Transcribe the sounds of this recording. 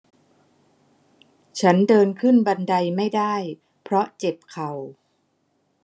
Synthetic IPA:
t͡ɕʰa˦˥ndɤː˧nkʰɯ˥˩nba˧nda˧jma˥˩jdaː˥˩j | pʰɾɔ˦˥t͡ɕe˨˩p̚kʰa˨˩w

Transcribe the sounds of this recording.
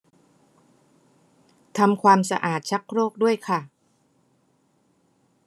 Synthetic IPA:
t̪ʰa˧mkʰwaː˧msa̰˧ʔaː˨˩t̪̚t͡ɕʰa˦˥k̚ɾoː˥˩k̚du˥˩əjkʰa˥˩

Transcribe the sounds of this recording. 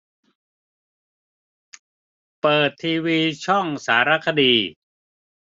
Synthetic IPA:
pɤː˨˩t̪ʰːiː˧wiː˧t͡ɕʰɔ˥˩ŋsaː˩˦ɾa˦˥kʰa˧diː˧

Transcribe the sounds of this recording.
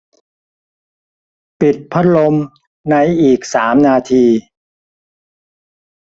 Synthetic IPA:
pi˨˩t̪̚pʰa˦˥t̪̚lo˧m | na˧jʔiː˨˩k̚saː˩˦mnaː˧t̪ʰiː˧

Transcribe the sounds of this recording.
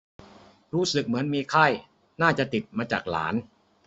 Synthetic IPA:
ɾuː˦˥sɯ˨˩k̚mɯ˩˦ənmiː˧kʰa˥˩j | naː˥˩t͡ɕa˨˩t̪i˨˩t̪̚maː˧t͡ɕa̰ː˨˩k̚la̰ː˩˦n

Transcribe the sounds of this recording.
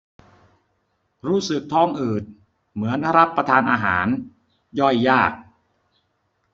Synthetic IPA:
ɾuː˦˥˩sɯ˨˩k̚t̪ʰɔ˧˥˩ŋʔɯː˨˩t̪̚ | mɯ˩˦ənɾa˦˥pːɾa˧t̪ʰaː˧nʔaː˧ɦa̰ː˩˦n | jɔ˥˩jːaː˥˩k̚

